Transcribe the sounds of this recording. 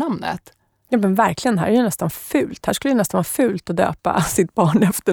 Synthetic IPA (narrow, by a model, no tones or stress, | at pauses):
amnə̰t̪ | jaːmɛnvæɾklɪɡənɦæ̰ːɾæɾjɵnɛst̪anfʉ̟ːlt̪hæːʂkɵləjɛnɛst̪anvɑːfʉ̟ːlt̪ɔd̪ø̰ːpa̰sɪt̪̚bɑːɳɛft̪ə